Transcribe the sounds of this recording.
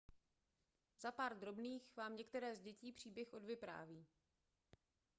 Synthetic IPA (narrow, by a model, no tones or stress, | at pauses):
zapaːɾd̪ɾo̞bniːxvaːmɲɛkt̪ɛɾɛːzɟɛciːpr̝̥iːbjɛxʔo̞dvɪpɾa̰ːviː